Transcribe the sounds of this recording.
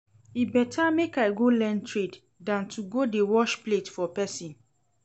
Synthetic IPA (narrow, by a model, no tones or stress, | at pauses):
ibɛtʰamekaɪɡolɛ̃ntʰɹed | dãntʰuɡodewɔʃpletfɔpɛsĩn